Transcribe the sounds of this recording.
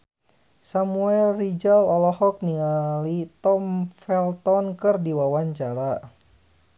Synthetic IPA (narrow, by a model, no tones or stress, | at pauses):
samuɛlrid͡ʒalɔlɔhɔk̚niŋalit̪ɔmfɛlt̪ɔnkɨrdiwawaɲt͡ʃaɾa